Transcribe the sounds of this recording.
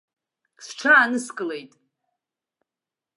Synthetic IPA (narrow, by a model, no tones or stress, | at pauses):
sʈ͡ʂʰaːnɨskʼɨle̞jtʼ